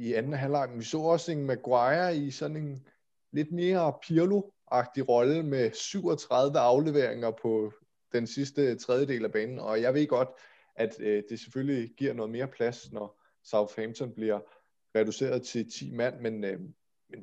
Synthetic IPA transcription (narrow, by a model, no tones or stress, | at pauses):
iænn̩ɦælɑɪ̰mnʋisɔ̰̽ːɒ̽se̝nmæɡ̥wɑɪɐisɒ̽ne̝n | le̝d̥me̝ːɐpʰiɐluʔɑ̈ɡ̥̚d̥iʁɒ̽ləmesyʊ̰ɒ̽t͡sʰʁɑ̈ð̞ˠʋəɑ̈ʊle̝ʋe̝ɐ̰e̝ŋɐpʰɒ̽ | d̥ensisd̥ət͡sʰʁɛð̞ˠjəd̥e̝̰ːlæb̥ɛːnn̩ɒ̽jɑ̈ɪʋe̝ð̰ˠɡ̥ɒ̽d̥ | ʔæd̥d̥e̝se̥følliɡ̥iɐ̰nɔ̽ð̩ˠme̝ːɐpʰlæsnɒ | sɑ̈ʊθhɛmt͡sʰɒ̽nb̥liɐ | ʁɛd̥use̝̰ːɐð̞ˠt͡sʰe̝lt͡sʰḭːmæn̰men | men